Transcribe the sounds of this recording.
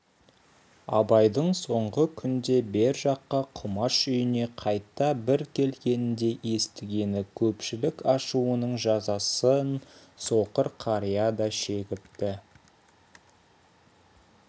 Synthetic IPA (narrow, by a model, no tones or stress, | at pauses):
ɑ̰bɑjd̪əɴso̞ɴʁəkʲʰʏnd̪e̞be̞ɾʒɑqːɑqʰʊmɑʃʏjɪne̞qʰɑjt̪ːɑbɪɾkʲʰe̞lɡʲe̞nɪnd̪e̞ʔe̞st̪ɪɡʲe̞nɪkʲʰɵpʃɪlɪkɑʃuənəɴʒɑzɑsənso̞qəɾqʰɑɾijɑd̪ɑʃe̞ɡʲɪpt̪ɪ